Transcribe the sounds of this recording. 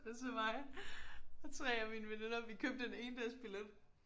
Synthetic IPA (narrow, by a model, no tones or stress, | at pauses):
semɑ̈ɪ | ɒt͡sʰʁɛːɐmiːnəʋene̝nɐʋikʰøb̥̚d̥ene̝ːnd̥æɐsb̥iled̥